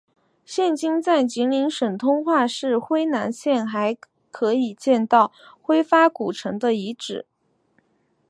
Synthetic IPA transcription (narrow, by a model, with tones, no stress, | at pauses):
ɕjɛ˥˩nt͡ɕi˥ŋt͡sa˥˩ɪt͡ɕi˧˥nli˧˥nʂə˨˩nt̪ʰʊ˥ŋxwa˥˧ʂɻ̩˥˩xwe˥ɪna˧˥nɕjɛ˥˩nxa˧˥ɪ | kʰɤ˧˥i˨˩t͡ɕjɛ˥˧nt̪ɑ˥˩ʊxwe˥ɪfa˥ku˨˩ʈ͡ʂʰɤ˧˥ŋd̪ə˧i˧˥ʈ͡ʂɻ̩˨˩˦